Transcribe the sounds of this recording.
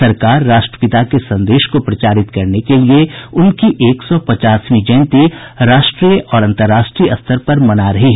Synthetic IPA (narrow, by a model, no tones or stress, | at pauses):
ɐɾkaːɾːaːʃʈɾə̥pɪt̪akesɐ̃nd̪eːʃkopɾɐt͡ʃaːɾɪt̪kɐɾnekelieʊnkiʔeːksɔpɐt͡ʃaːswĩd͡ʒɐɪ̃nt̪iɾaːʃʈɾiːjəʔɔːɾɐ̃nt̪əɾːaːʃʈɾijɐ̰st̪ʰəɾpɐɾmɐnaɾɐɦiɦɛ